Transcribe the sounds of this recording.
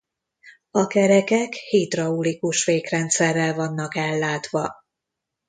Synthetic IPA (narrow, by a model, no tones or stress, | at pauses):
ɒkɛɾɛkɛkhiːt̪rɒulikuʃʋeːkrɛnt̪sɛrːɛlvɒnːɒkɛlːaːt̪ʋɒ